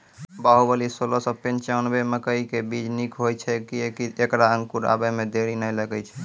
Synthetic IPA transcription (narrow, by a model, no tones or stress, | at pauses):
baɦubəlisolɔsəpent͡ʃanbeməkəikebid͡ʒnikɦojt͡ʃʰɛkiekiekɾaə̃ŋkuɾa̰bəmed̪eɾinəjləɡɛt͡ʃʰɛ̥